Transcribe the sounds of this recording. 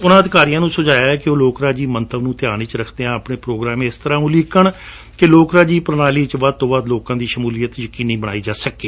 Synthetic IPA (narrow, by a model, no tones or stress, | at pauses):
ʊnãːəd̪ɪkaːɾijãːnũːsʊd͡ʒaːjaːɛːkeoːloːkɾaːd͡ʒiːmənt̪ʰəbnũːt̪ɪjaːniːt͡ʃɾəkʰd̪eːãːpɳeːpɾoːɡɾaːmẽːɪst̪əɾãːũːlɪkəɳ | keloːkɾaːd͡ʒiːpəɾnaːliːt͡ʃʋaːd̪̚t̪oːbaːd̪loːkãːd̪iːʃəmuːlijət̪jəkiːniːbəɽ̃aːiːd͡ʒaːsəkeː